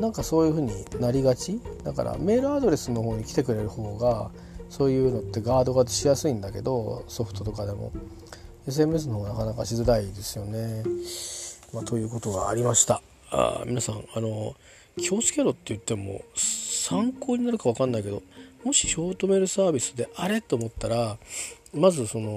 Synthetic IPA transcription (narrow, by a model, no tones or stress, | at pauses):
nãŋkaso̞ːjɯ̟ːɸɯ̟ːɲ̟inaɾʲiɡat͡ɕid̪aka̰ɾa̰me̞ːɾɯ̟ad̪o̞ɾe̞sɨno̞ɦoːɲ̟ikʲi̥t̪e̞kɯ̟ɾe̞ɾɯ̟ho̞ːɡa | so̞ːjɯ̟ːno̞t̪ːe̞ɡaːd̪o̞ɡat̪ɨ̥ɕijasɨĩnd̪ake̞d̪o̞so̞ɸɯ̟̥t̪o̞t̪o̞kad̪e̞mo̰ | e̞s̬ɨe̞mɯ̟e̞s̬ɨnohoːanakanakaɕizɨd̪aid̪e̞sɨjo̞ne̞ | mat̪o̞jɯ̟ːko̞t̪o̞ɡaːɾʲimaɕi̥t̪a | a̰mʲinasãŋano̞ | kʲʰo̞ːsɨ̥kʲe̞ɾo̞t̪ːe̞jɯ̟t̪ːe̞mo̞̰sãŋko̞ːɲ̟inaɾɯ̟kaβakãnːaike̞d̪o̞mo̞ɕi̥ɕo̞ːt̪o̞me̞ɾɯ̟saːbʲisɨd̪e̞ʔaɾe̞t̪ːeːmo̞t̪ːaɾa | mazɨso̞no̞